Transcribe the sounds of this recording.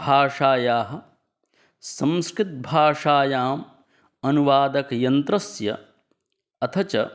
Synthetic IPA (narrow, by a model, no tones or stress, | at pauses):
bʱaːʂaːjaːɦɐ̆ | sɐ̃mskɾɪt̪̚bʱaːʂaːjaːm | ɐnuʋaːd̪ɐkjɐnt̪ɾɐsjɐ̰ | ɐt̪ʰɐt͡ʃɐ